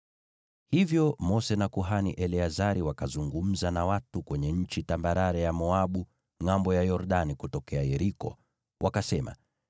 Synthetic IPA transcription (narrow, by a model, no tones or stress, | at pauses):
hivjɔmɔsɛnakuɦanḭʔɛliazaɾiwakazuŋɡum̩zanawatukwɛɲɛɲ̩t͡ʃitambaɾaɾɛjamɔaɓu | ŋambɔjajɔɾɗanikutɔkɛajɛɾikɔ̰ | wʔakasɛma̰